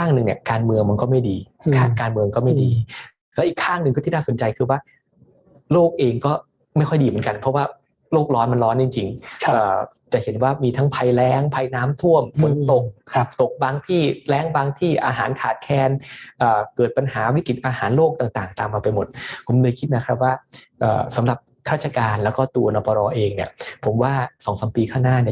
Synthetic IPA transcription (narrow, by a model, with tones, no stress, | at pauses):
aː˥˩ŋnɯ˨˧ŋni˨˩əkaː˧nmɯ˧əŋma˧nkɔː˥˩ma˥˩jdiː˧ | kʰaː˥˩kaː˧nmɯ˧əŋkɔː˥˩ma˥˩diː˧ | lɛː˦˥wʔiː˨˩kʰːaː˥˩ŋnɯ˨˧ŋkɔː˥˩iː˥˩naː˥˩so˩˦nt͡ɕa˧jkʰɯː˧waː˥˩ | loː˥˩k̚ʔeː˧ŋkɔː˥˩ | ma˥˩jkʰɔ˥˩jdiː˧mɯ˩˦nka˧npʰɔ˦˥waː˥˩ | loː˥˩k̚ɾɔː˦˥nma˧nɾɔː˦˥nt͡ɕi˧ŋt͡ɕi˧ŋ˧ʔɤː˨˩ | t͡ɕa˨˩he˩˦nwaː˥˩miː˧t̪ʰa˦˥ŋpʰa˧jlɛː˦˥ŋpʰa˧jnaː˦˥mt̪ʰu˥˩əmfo˨˩˦nt̪o˨˩k̚kʰɾa˦˥p̚t̪o˨˩k̚baː˧ŋt̪ʰiː˥˩lɛː˦˥ŋbaː˧ŋt̪ʰiː˥˩ʔaː˧ɦaː˩˦nkʰaː˨˩t̪̚kʰɛː˧nʔɤː˨˩kɤː˨˩t̪̚pa˧nhaː˩˦wi˦˥ki˨˩t̪̚ʔaː˧haː˩˦nloː˥˩k̚t̪aː˨˩ŋt̪aː˨˩ŋt̪aː˨˩mːaː˧pa˧jmo˨˩t̪̚pʰo˩˦mlɤː˧jkʰi˦˥t̪̚na˦˥kʰɾa˦˥p̚waː˥˩ | ʔɤ̰ː˨˩sa˨˦mɾa˨˩p̚kʰɾaː˥˩t͡ɕʰa˧kaː˧nlɛː˦˥wkɔː˥˩t̪u˧ɐnɔː˧˩pɔː˧ɾɔː˧ʔeː˧ŋni˥˩əpʰo˩˦mwaː˥˩sɔː˩˦ŋsa˨˦mpiː˧kʰaː˥˩ŋnaː˥˩ni˥˩